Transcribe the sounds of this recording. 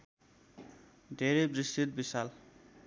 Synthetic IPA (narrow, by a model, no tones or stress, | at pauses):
d̪ʱeɾejbrist̪it̪̚bisal